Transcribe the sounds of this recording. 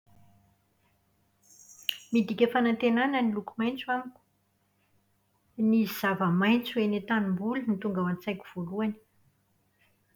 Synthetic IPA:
mid̪ikʲəfanant̪enanənilukumajnt͡suaniku̥ | niziz̥avəmajnt͡suenet̪animbulinit̪uŋɡawant͡sajkʲu̥v̥oluani̥

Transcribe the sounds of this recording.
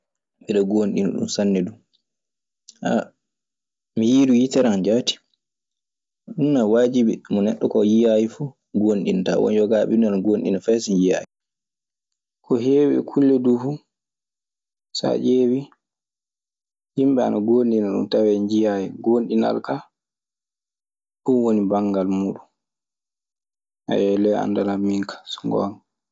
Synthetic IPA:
ɓiɗɔɡonɗinɔ̰ɗṵmsanːɛdum | ʔa̰ | mijiːdujitɛɾand͡ʒati̥ | ɗunːawaːd͡ʒibimɔnɛɗːɔkɔjijajifu | ɡonɗinta̰wɔ̰njɔɡaɓinanaɡonɗḭnafɛsinjija̰ːji | kʰɔɦeːwɛ̰kʰulːɛdufu | sa̰d͡ʒeːwi | himɓɛa̰naɡonɗinaɗṵmtawɛɲd͡ʒijajiɡonɗina̰lka | fuwonibaŋɡalmuːɗun | ha̰jɛlɛa̰ndalamiŋkʰḁsu̥ŋɡɔ̰nɔ

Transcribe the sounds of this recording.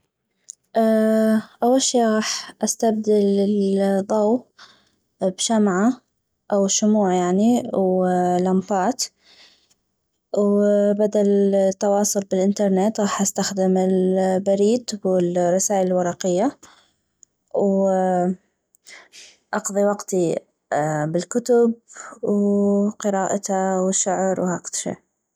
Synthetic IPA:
ʔaʔawːalʃiːʔɣɑːħʔast̪abd̪ɪlɪðˤɑw | bʃamʕa | ʔawʃʊmuːʕjaʕniwlambɑːt̪ | wbad̪alt̪ːɑwɑːsˤʊlbɪlʔɪnt̪ɑɾˤnet̪ɣɑːħʔast̪axd̪ɪmɪlbaɾiːd̪wɪlrˤːɑsaːʔɪlɪlwɑɾˤɑqɪjːa | w | ʔɑqðˤiwɑqt̪i | bɪlkʊt̪ʊb̚wqɨɾɑːʔat̪awʃʊʕɾwhaːk̪ʃḛː

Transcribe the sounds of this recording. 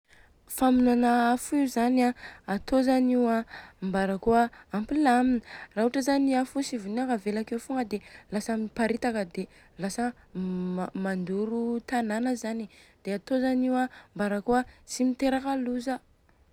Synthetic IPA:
faminanaafiuzanaat̪ozaniwambaɾakuəːmpilaminəraɦuʈ͡ʂəzaniafusivuniakavelakewfuŋɡəd̪elasamiipaɾit̪akəd̪e | lasə | mand̪uɾut̪ananəzanid̪̥eat̪ozaniwambaɾakuət͡simit̪eɾakaluzə

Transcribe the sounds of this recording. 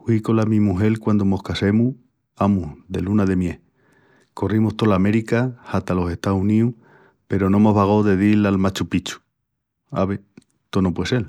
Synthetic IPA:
iko̞lamĩmuɦe̞lkwand̪omo̞hkase̞mu | amuðe̞̰lunaðe̞mje̞ | ko̞rimoht̪o̞lame̞ɾikahat̪alo̞se̞ht̪aunĩuh | pe̞ɾo̞nõ̞mo̞ɦβaɣ̞oðe̞ðilalmat͡ʃupit͡ʃu̥ | a̰βe | t̪onopwe̞se̞l

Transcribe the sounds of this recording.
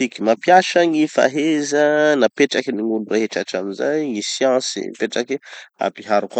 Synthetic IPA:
ikimapjaʃaŋifa̰ɦezənapeʈ͡ʂakiniŋuluraɦeʈ͡ʂaʈ͡ʂaminzajŋisjɑ̃sḭpeʈ͡ʂakia̰piɦaɾukwa

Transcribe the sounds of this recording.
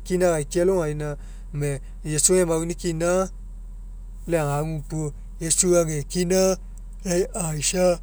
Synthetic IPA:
kinaɣaikiɛloainã | mɛ | jesuãmawunĩkinã | lɛaɡũtuo | jesuaɡekina | lɛiʔaiʃa

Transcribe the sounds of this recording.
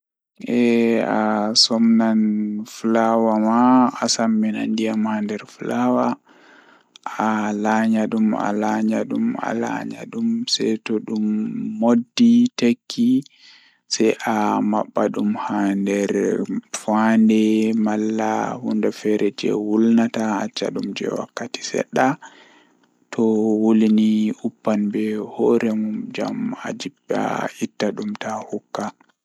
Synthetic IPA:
ʔɛasɔmnanflawamaːsamːina̰ndijamhandɛɾfulawa | alaɲaɗuma̰laɲaɗuma̰la̰ɲa̰ɗumsɛjtɔɗumːodːitakʰːi | sajʔama̰ɓːaɗumhandɛɾfandɛmalːahundafɛɾɛd͡ʒɛ̰wulnataat͡ʃːa̰ɗumd͡ʒɛ̰wa̰kːati̥sɛ̰ɗːa | tʰɔwoliniupːanbɛhɔɾɛmumd͡ʒa̰ma̰d͡ʒibːa̰itːaɗumtahukːa

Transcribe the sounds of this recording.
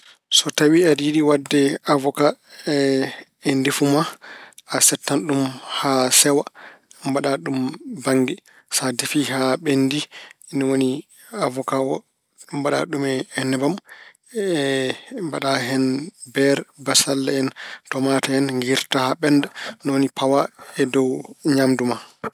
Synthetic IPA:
sɔtawiɛdidiwadːɛavɔka | ɛndifumaasɛtːanɗumhasɛwambaɗaɗumbaŋɡi | sadifihaɓendinɔwoni | avɔkawɔ | ɗumbaɗa̰ɗumɛɛnːɛbam | ɛmbaɗaɦɛnbɛɾbasalːaɛntɔmataɛnŋɡiɾtahaɓɛndanɔwonipawaɛdɔwɲamduma

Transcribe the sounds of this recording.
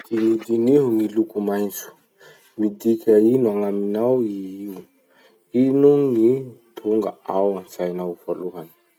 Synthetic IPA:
d̪̥inid̪iniɦuŋilukumajnt͡su̥ | mid̪ikʲainuaŋaminawiiu | inuŋit̪ʰuŋɡa̰awanzajnawvoluɦanə̥

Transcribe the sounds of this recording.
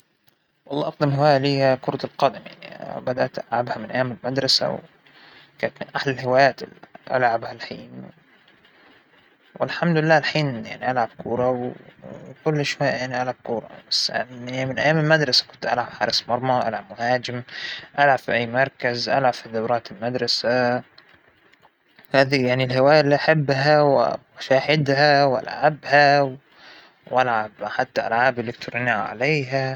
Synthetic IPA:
wʔɑlˤːɑːʔɑqd̪ɪmhɪwaːjaliːhakʊɾˤɑt̪alqɑːd̪ɪmja̰ʕniʔbad̪aʔt̪ʔalʕabhamɪnʔa̰jːaːmɪlmad̪ɾˤɑsa̰w | kaːnt̪mɪnʔahlalhɪwaːjaːt̪ɪʔa̰lʕabhalħḭːnw | wɪ̰lħamd̪ʊlɪlːaːlħiːnja̰ʕniʔalʕab̥̚kuːɾˤɑw | kʊlːʃwajʔjaʕniʔalʕab̚kuːɾˤɑ̰basːmɪnʔæ̰jːaːmɪlmad̪ɾˤɑsḁkʊnt̪ʔa̰lʕab̥ħɑːɾˤɪsmɑɾˤmɑwʔa̰lʕabmʊhaːd͡ʒɪmʔalʕab̥fiʔæajːmɑɾˤkazʔa̰lʕabfiðɑwɾˤɑːt̪ɪlmad̪ɾˤɑsa | haːðijaʕnilhɪwaːjaʔlːiːʔaħabːɦawmʃaːhɪd̪hawʔa̰lʕabhaw | wʔalʕabħat̪ːaʔalʕaːbɪlːɪkt̪ʊɾˤɑniʕ̰ʕa̰leːɦa

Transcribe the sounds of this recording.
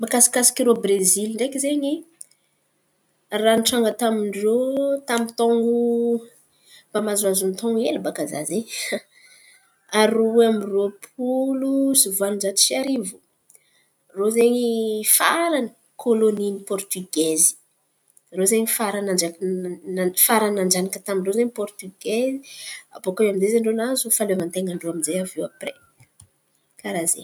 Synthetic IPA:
mbakasi̥kasi̥kʲiɾobreziliɳɖ͡ʐekizeɲi | ranʈ͡ʂaŋɡət̪amiɳɖ͡ʐot̪amit̪oŋɡu | b̥amazazunt̪oŋɡelbakaza̰ze | aɾoeamiropʰulusuvuanud͡ʒat̪i̥siaɾivu | rozeɲifaɾanə | kʰoloninipɔrt̪yɡezi̥ | rozeɲifaɾanand͡ʒak | faɾanaɳd͡ʒanakat̪amiɳɖ͡ʐozeɲipɔrt̪yɡezia̰pokaamizezeɳɖ͡ʐonazufalevant̪eŋaɳɖ͡ʐoaminzejavewapre | kaɾazḛ

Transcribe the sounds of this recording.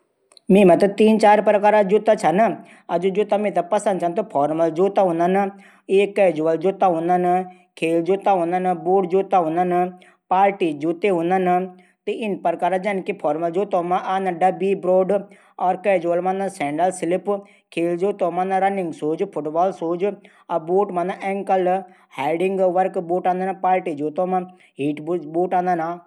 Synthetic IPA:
mĩːmə̃t̪ɨt̪iːnt͡ʃaːɾpɾkaːɾad͡ʒut̪at͡ʃʰɐn | ɐd͡ʒud͡ʒut̪amẽt̪̬apɐsənd̪̚t͡ʃʰɐnt̪epʰɔːɾməld͡ʒut̪ãɦũnən | eːkːɛːd͡ʒuʋəld͡ʒut̪aɦũnan | kʰeːld͡ʒut̪aɦũnənbuːɖd͡ʒut̪aɦũnan | paːɾʈid͡ʒut̪eɦũnən | t̪eɪnpəɾkaːɾad͡ʒɐnkipʰɔːɾməld͡ʒoːt̪õːmãʔaːnãɖɐbibɾoːɖ | ɔːɾkɛːd͡ʒuʋəlmãnãsɛ̃ːɳɖəlsɪlɪp | kʰeːld͡ʒuːt̪õmãnãɾɐnɪ̃ŋɡsoːd͡ʒpʰʊʈbaːlsoːd͡ʒ | aboːʈmãnaʔɛːŋkəl | haːɪɖɪŋɡʋəɾkboːʈãːnd̪anpaːɾʈid͡ʒuːt̪õːmã | ɦiːʈbboːʈãːnd̪ana

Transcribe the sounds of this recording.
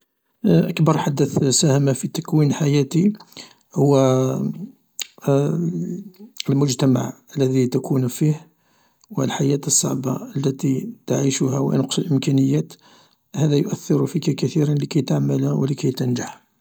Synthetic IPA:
ʔəkbɑɾˤħad̪ːəθsæhæmafit̪ækwinħajæt̪i | hʊwːæ | əlmʊd͡ʒt̪æma̰ʕ | əlːæðit̪ækʰunfih | wəlħajæt̪əsˤːɑ̰ʕbɑəlːæt̪it̪aʕiʃʊhæwnəqsəlʔəmkænəjːæt̪ | hæðæjʊʔæθːɪɾfikækæθiɾanləkæjt̪aʕməlwə̰ləkæjt̪ənd͡ʒaħ

